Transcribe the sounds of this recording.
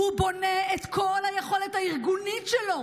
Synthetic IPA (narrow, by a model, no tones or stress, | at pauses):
hubo̞neet̪kʰo̞lhajeχo̞let̪haiʁɡunitʃelo̞